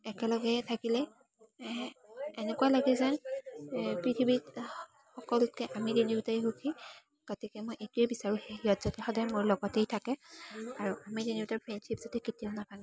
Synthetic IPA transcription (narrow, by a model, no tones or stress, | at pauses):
ɛkɛlɔɡɛtʰakilɛ | enɛkwalaɡɛzan | pɹitʰibit | xɔkɔltkɛʔamidinibitaiɦukʰi | ɡ̥otikɛmojʔetʊɛbisaɹuheɦiɔtz̥ɔtɛxɔdajmʊɹlɔɡɔtejtʰakɛaɹuamidinibitaɹpʰɹenʃipz̥atɛketijanapanɛ